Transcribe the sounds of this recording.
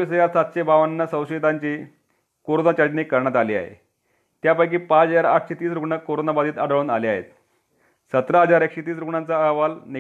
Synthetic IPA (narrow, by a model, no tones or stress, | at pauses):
isəjat̪sat̪ɕebaʋənːəsə̃wɕet̪aɲt͡ɕiː | koɾonat͡ɕaʈniːkəɾɳjat̪aliːa̰ɦḛ | t̪japajkiːpat͡səaɾaʈʰɕet̪iːsɾukɳəkoɾonabad̪iːt̪aɽəɭuːna̰lia̰ɦḛt̪ | sət̪ɾəɦəd͡zaɾekɕet̪iːs̬ɾukɳant͡saːʋalni